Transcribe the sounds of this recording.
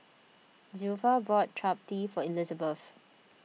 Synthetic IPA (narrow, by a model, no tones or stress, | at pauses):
zufabɹɔt̚tʰɹap̚tifɔilizəbəf